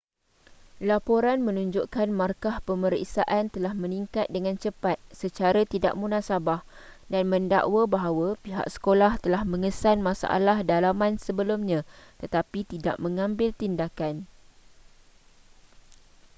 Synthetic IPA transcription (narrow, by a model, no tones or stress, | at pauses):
lapoɾanmə̃nũɲd͡ʒoʔkanmarkahpəməɾḭʔsaʔant̪əlahmə̃niŋkat̪̚dəŋãnt͡ʃəpat̪̚sət͡ʃaɾat̪ida̰ʔ̚mũnãsabah | danmə̃nda̰ʔwəbaɦawapiɦa̰ʔsə̥kolaht̪əlahmə̃ŋəsanmãsa̰ʔa̰lahdalamãnsəbəlumɲãt̪ət̪apit̪ida̰ʔmə̃ŋãmbɪlt̪indakan